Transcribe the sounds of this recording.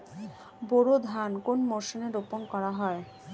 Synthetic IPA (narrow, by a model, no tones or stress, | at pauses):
boɾod̪ʱankonmoɾʃoneɾoponkɔɾaɦɔe